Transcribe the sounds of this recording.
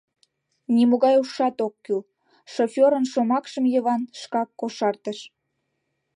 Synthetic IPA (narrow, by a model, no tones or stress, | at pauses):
nimoɣɑjuʃɑt̪okːyl | ʃofʲoɾənʃomɑkʃəmjəβɑnʃkɑkːoʃɑrt̪əʃ